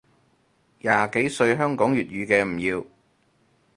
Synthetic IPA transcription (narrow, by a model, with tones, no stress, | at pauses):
jaː˧ke˨˥jsɵ˧ɥɦœː˥ŋkɔː˨˥ŋjyː˨t̚ɥyː˨˧kɛː˧m̩˨˩jiː˧w